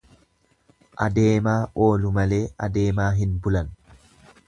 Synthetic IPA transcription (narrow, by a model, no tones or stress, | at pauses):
ʔɐd̪e̞ːmaːʔo̞ːlʊmɐle̞ːʔɐd̪e̞ːmaːɦɪnbʊlɐn